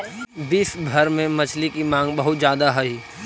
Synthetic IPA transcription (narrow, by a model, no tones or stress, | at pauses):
biːsbʱɐɾmẽmɐt͡ʃʰlikimãːŋɡbɐɦʊt̪zjaːd̪aɦɐi